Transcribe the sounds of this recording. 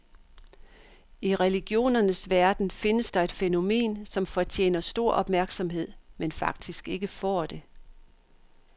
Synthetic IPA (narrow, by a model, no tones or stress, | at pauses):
iʁɛliɡ̥jo̝̰ːnɐnəsʋæɐd̥n̩fe̝nəsd̥ɑ̈e̝d̥feno̝me̝̰ːnsɒ̽mfɒ̽t͡ɕʰjḛːnɐsd̥o̝ɐ̰ʔɒ̽b̥mæɐɡ̥sɒ̽mɦe̝ð̞̰ˠmenfɑ̈ɡ̥̚d̥isɡ̥e̝ɡ̥əfɒ̰ːd̥e̝